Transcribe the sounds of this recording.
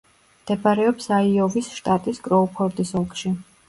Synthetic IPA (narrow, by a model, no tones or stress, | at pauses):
md̪̥ɛbaɾɛɔpsaiɔvisʃt̪ʼat̪ʼiskʼɾɔɔpʰɔɾd̪isɔlˠkʼʃi